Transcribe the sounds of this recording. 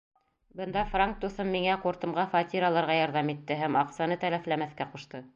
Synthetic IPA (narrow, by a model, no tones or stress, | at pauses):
bɤ̆nd̪ɑfraŋk̚t̪uθɤmːiŋæquɾt̪ɤ̆mʁɑfɑt̪ʲiɾɑlˠɑɾʁɑjɑɾðɑmit̪ːɘɦæmɑqsɑnɤt̪ælæflæmæθkæquʃt̪ɤ